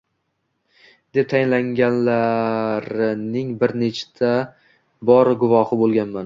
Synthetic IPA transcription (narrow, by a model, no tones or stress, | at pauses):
d̪e̞p̚t̪ʰajɪnlaŋɡʲanlaɾɪnɪŋbɪɾnet͡ʃʰt̪ʰa | bɒɾɡʊvɒhɪbolˠɡʲanman